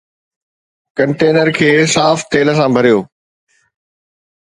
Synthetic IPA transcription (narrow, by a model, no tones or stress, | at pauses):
kɐ̃ɳʈeːnəɾkʰeːsaːft̪eːlə̆sãbʱɐɾijoː